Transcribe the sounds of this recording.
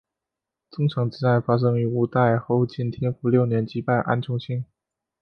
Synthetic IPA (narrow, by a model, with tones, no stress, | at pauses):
t͡sʊ˥ŋʈ͡ʂʰɑ˧˥ŋt͡ɕi˥t͡sa˥˩ɪfa˥ʂ̬ɤ˥ŋy˧˥u˥˩t̪a˥˩ɪxo˥˧ʊt͡ɕi˥˩nt̪ʰjɛ˥nfu˧˥ljo˥˩ʊnjɛ˧˥nt͡ɕi˥pa˥˩ɪʔa̰˥nt͡ɕʰjʊ˥ŋt͡ɕʰi˥ŋ